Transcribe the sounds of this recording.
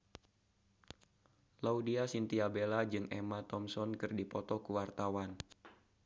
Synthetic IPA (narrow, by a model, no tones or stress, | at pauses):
laudiasint̪iabelad͡ʒɨŋʔemat̪ɔmsɔnkɨrdipɔt̪ɔkuwart̪awan